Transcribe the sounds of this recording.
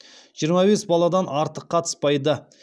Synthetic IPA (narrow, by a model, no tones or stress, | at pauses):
ʒ̥ijəɾmɑbesbɑlˠɑd̪ɑnɑɾt̪əqʰːɑt̪ʰə̥spɑjd̪ə